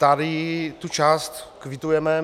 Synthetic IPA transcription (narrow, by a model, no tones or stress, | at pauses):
t̪adɪt̪ut͡ʃaːst̪kvɪt̪ujɛmɛ